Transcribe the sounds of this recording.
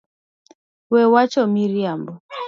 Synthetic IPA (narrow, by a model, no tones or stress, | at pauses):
wɛwat͡ʃɔmiɾjambɔ